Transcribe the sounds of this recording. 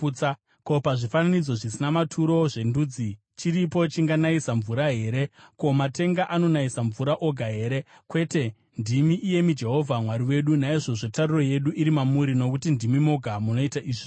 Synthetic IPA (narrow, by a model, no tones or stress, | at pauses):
a | ko̞paʐifananid͡zo̞ʐisinamatʰuɾo̞ʐe̞nduːd͡zi | t͡ʃiɾipo̞t͡ʃiŋɡanaisaɱvuɾaɦe̞ːɾe̞ko̞mate̞ŋɡaʔano̞naisaɱvuɾaʔo̞ɡʱaɦe̞ːɾe̞ | kwe̞te̞ | ndimiʔːje̞mid͡ʒe̞ɦo̞vʱamwaɾiwe̞ɗunaiʐo̞ʐe̞tariro̞je̞ɗuʔiɾimamuɾino̞kutindimimo̞ɡʱamuno̞itaʔiːʐi